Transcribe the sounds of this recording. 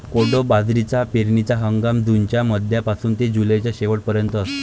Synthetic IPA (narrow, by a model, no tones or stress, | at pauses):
koɽobad͡zɾit͡sapeɾɳit͡saɦəŋɡamd͡z̪uɲt͡ɕjaməd̪ʱjapasuːnt̪ed͡ʑulət͡ɕjaɕeʋəʈ̚pəɾjənt̪əːst̪e